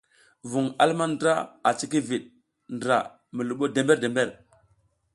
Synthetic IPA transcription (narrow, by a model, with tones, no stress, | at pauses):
vu˨ŋa̰˦lma˦ndɾa˦a˨t͡ʃi˦ki˦vi˨ɗ̚ | ndɾa̰˨ | mi˨lu˨ɓo˦de˨mbe˦ɾde˨mbe˦ɾ